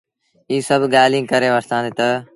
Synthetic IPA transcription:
iːsəbʱɠaːlĩːkəɾeːʋəɾt̪ãːnd̪eːt̪ə

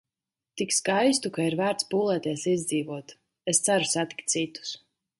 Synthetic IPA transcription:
t̪ikskajst̪ukaiɾvæːɾt̪spuːlˠɛːt̪iɛsizʲd̪ziːvuɔt̪ | est̪sæɾusat̪i̥kt̪sit̪u̥s

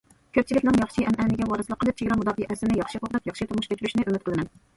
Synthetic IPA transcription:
kʲʰøp̚t͡ʃʰilɪkʲnɪŋjɑχʃiʔɛmʔɛnɪɡʲɛwɑɾɨslˠəqːəlˠɨp̚t͡ʃʰeɡʲɾɑmud̪ɑːfəʔɛsɪnɪjɑχʃiqoʁd̪ɨpjɑχʃit̪umuʃkʲet͡ʃʰyɾyʃnɪʔømɪt̪qʰəlˠɨnɪ

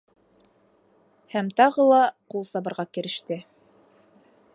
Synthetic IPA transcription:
hæmt̪ɑʁɤlˠɑqulˠsɑbɤ̆ɾʁɑkɘ̆ɾɘ̆ʃt̪ɘ

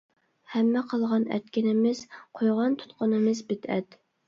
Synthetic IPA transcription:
hɛmːɛqʰɑlˠʁɑnɛ̰t̪kʲɪnɪmɪz̥qʰojʁɑnt̪ʰu̥t̪qʊnɨmɪzbɪt̪ʰɛt̪

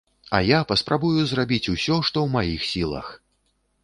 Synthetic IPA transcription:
ɐ̰japɐspɾʔabujuzrabʲit͡sʲusʲɔʂt̪ɔwmajixsʲilˠɐ̰x

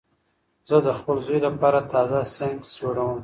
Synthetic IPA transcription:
z̥əd̪əxpəlzojlapɑɾat̪ɑzasaŋt͡ʃoɾawəm

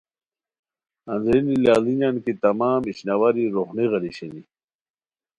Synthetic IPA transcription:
ɐnzinilaːliɲankit̪ɐmaːmiɕnawaɾiɾoχniɣɐliɕeni

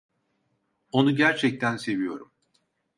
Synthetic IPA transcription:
o̞nuɟæɾt͡ʃʰɛc̚t̪ʰænse̞vijo̞ɾum

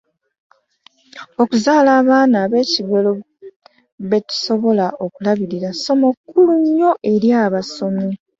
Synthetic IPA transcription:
o̞kuzaːlaːβaːnaːβe̞ːciɡo̞lo | βe̞tu̥so̞βo̞laʔo̞kulaβiɾiɾaso̞mo̞kːuluɲːo̞ʔe̞ɾjaːβaso̞mi

